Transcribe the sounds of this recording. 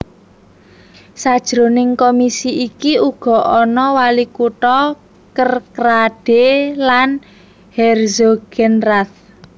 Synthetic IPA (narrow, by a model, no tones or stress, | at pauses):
sad̥ʒ̥ɾonɪŋkomisiikiuɡ̥ɔ̤ʔɔnɔwalikuʈɔ | kərkɾaɖ̥elan | hɛrzoɡ̥ɛnraθ